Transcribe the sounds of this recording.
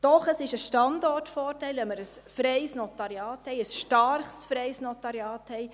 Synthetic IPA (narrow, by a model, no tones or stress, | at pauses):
d̥ɔχəsɪʃəʃtɑndɔtfɔːɾtɛɪlɛməɾəsfɾɛɪsnɔtɑɾiɑːthɛɪəsʃtɑɾχsfɾɛɪsnɔtɑɾjɑːthɛɪ